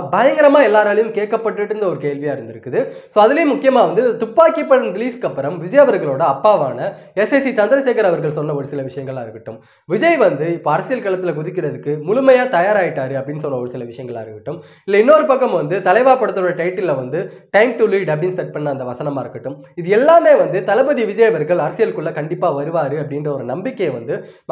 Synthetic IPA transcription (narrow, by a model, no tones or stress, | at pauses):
bɐjɐŋɡɪɾɐmaːɛlːaːɾaːlɐjɯmkeːʈkːɐpːɐʈːɯʈːɯɾɯnd̪ɐɔɾɯkeːlʋɪjaːɪɾɯnd̪ɪɾɯkːɯðɯ | soːɐðɪlejɐmʊkːɪjɐmaːʋɐnd̪ɯt̪ʊpːaːkipːɐɽɐnɾɪliːskɐpːɐɾɐmʋɪd͡ʒɐjɐʋɐɾɣɐɭoːɽɐɐpːaːʋaːnɐ | ɛsɛsit͡ʃɐnd̪ɐɾɐseːkɐɾɐʋɐɾɣɐɭsɔnːɐɔɾɯsɪlɐʋɪʂɐjɐŋɡɐɭaːɪɾɯkːɐʈːɯm | ʋɪd͡ʒɐjʋɐnd̪ɯɪpːoːɐɾɐsɪjɐlkɐɭɐt̪ːɪlɐkʊðɪkːɪɾɐðɯkːɯmʊɻʊmɐjaːt̪ɐjaːɾaːjɪʈːaːɾɯɐpːɐɽɪnːɯsɔnːɐɔɾɯsɪlɐʋɪʂɐjɐŋɡɐɭa̰ːɪɾɯʋɪʈːɯm | ɪlːɐɪnːoːɾɯpɐkːɐmʋɐnd̪ɯt̪ɐlɐɪʋaːpɐɽɐt̪ːɐoːɽɐʈɐɪʈːɪlːʋɐnd̪ɯ | ʈɐɪmʈʊɭiɖɐbɪnst̪ɐʈ̚pɐnːɐːnd̪ɐʋɐsɐnɐmaːɪɾɯkːɐʈːɯmɪðɯɛlːaːmeːʋɐnd̪ɯt̪ɐlɐbɐðiʋɪd͡ʒɐjɐʋɐɾɣɐɭɐɾɐsɪjɐlkːɯɭːɐkɐɳɖɪpːaːʋɐɾɯʋaːɾɯɐpːɐɽɪndrɐɔɾɯnɐmbɪkːɐjʋɐnd̪ɯ